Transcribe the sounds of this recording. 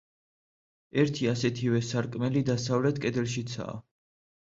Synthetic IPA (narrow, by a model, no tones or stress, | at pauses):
ɛɾt̪ʰiasɛt̪ʰivɛsaɾkʼmɛlid̪asavlɛt̪ʰkʼɛd̪ɛlʃit̪sʰa̰ː